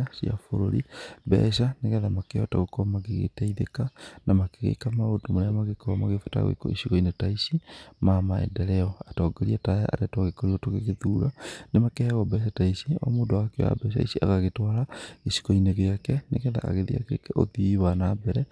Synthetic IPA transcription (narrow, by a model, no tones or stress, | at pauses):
asia̰foɾoɾḭbɛ̰ʃaneɣɛðamakeɔta̰ɣokɔmaɣeɣḛtɛiðekanʔamakeɣḛkamaodomoɾeamaɣekɔmaɣefḁta̰ɣḛko̰isikɔinetaisimamaɛ̰ndɛɾɛɔatɔːɡeɾiataja̰ʔa̰ɾɛtwaɣekoɾiɔtoɣeɣeðuːɾa̰nemakɛhɛɣwabɛːʃ̬ataisiɔ̰modawakeo̰ja̰bɛːʃ̬a̰isiʔa̰ɣaɣetwaɾaeʃi̥kɔineɣeakɛneɣɛða̰a̰ɣeðḭa̰kekɛʔoðiiwanaːbɛɾɛ